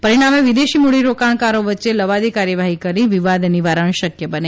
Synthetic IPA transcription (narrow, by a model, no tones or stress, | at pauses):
pəɾiɽ̃ameʋid̪eʃimuɽiɾokaɳkaɾoʋətːʃeləʋad̪ikaɾjəʋaɦikəɾiʋiʋad̪niʋaɾəɳʃəkjəbəne